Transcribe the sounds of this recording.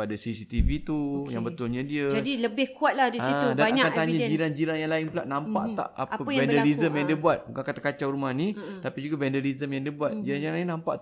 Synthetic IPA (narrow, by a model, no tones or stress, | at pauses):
adasisit̪ivit̪ujaŋbət̪ʊlɲãdiəd͡ʒadiləbɪhkuat̪̚lahdisaitdanaakant̪aɲad͡ʒiɾand͡ʒiɾanjaŋlaɪŋpula̰ʔnampa̰ʔt̪a̰ʔa̰pəɛndəɾizəmjãŋdiəbuat̪̚ukakat̪akat͡ʃawɾumahnĩt̪apid͡ʒuɡabɛndəlizəmjaŋdiəbuat̪̚d͡ʒiɾanjanlaɪŋnãmpa̰ʔ